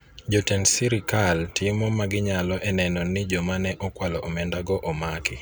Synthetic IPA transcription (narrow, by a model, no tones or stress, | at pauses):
d͡ʒɔtɛnsiɾikaltimɔmaɡɪɲalɔʔɛnɛnɔnɪd͡ʒɔmanɛʔɔkwalɔʔɔmɛndaɡɔʔɔmakɪ